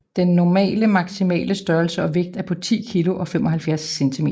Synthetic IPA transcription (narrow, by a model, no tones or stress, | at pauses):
d̥enːɒmɛ̰ːləmɑ̈ɡ̥simɛ̰ːləsd̥ɶɐlsəɒ̽ʋe̝ɡ̥̚d̥æɐpʰɒ̽t͡sʰḭːkʰilo̝ʔɒ̽fem̰ɒ̽ɦælfjæɐsːent͡sʰimḛːɐ